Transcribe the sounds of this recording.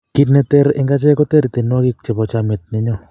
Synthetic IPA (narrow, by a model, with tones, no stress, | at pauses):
ki˦tnɛ˧t̪ɛ˦ɾɪ˦ŋɡa˦t͡ʃɛ˦kɔ˦t̪ɛ˦ɾi˨t̪e˨nwɔ˦ki˦k̚t͡ʃe˨bɔ˨t͡ʃa˨me˨t̪̚ne˦ɲɔ˦